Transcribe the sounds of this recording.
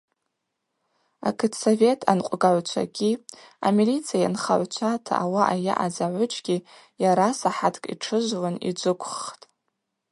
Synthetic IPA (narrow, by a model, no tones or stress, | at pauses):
a̰kʰɨtʰsove̞tʰanqʷʼɡaʕʷt͡ʃʷʰa̰ɡʲia̰milit͡sʰijajanχa̰ʕʷt͡ʃʷʰatʰa̰awaʔaja̰ʔad͡zaʕʷʊt͡ʃʰʼɡʲi | jaɾasaħatʰkʼḭʈ͡ʂʰɨʒʷwanḭd͡ʒʷɨkʷʰʼχtʼ